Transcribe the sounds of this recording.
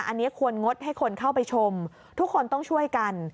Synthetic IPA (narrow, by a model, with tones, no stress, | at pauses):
ʔa˧nːi˦˥ɐkʰu˧ənŋo˦˥t̪̚ɦa˥˩jkʰo˧nkʰa˥˩wpa˧jt͡ɕʰo˧m | t̪ʰu˦˥kʰːo˧nt̪ɔ˥˩ŋt͡ɕʰu˥˩əjka˧n